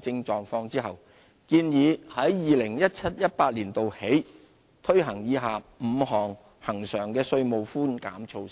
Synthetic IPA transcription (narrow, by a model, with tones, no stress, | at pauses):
t͡sɪ˧ŋt͡ʃɔː˨˧ŋfɔː˧ŋt͡siː˥hɐ˨w | kiː˧njiː˨˧˥hɐ˨˥jjiː˨˧lɪ˨˩ŋjɐ˥t̚t͡sʰɐ˥t̚jɐ˥t̚paː˧t̚liː˨˩nt̪o˨whe˨˥j | t̪ʰɵ˥ɥɦɐ˨˩ŋjiː˨˧ɦaː˨˩m̩˨˧ɦɔː˨˩ŋ | hɐ˨˩ŋsœː˨˩ŋkɛː˧sɵ˧ɥmo˨wfuː˥nka̰ː˨˥mt͡ʃʰo˧w